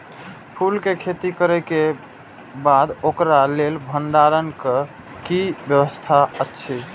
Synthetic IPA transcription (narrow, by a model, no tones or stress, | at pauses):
pʰulkekʰet̪ikəɾɛke | bad̪okɾalelbʱənɖ̪aɾənke | kibjəbəst̪ʰaətːt͡ʃʰi